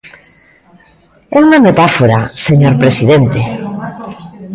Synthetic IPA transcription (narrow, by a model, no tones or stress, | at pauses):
ɛuŋamet̪afoɾaseɲoɾpɾesiðent̪e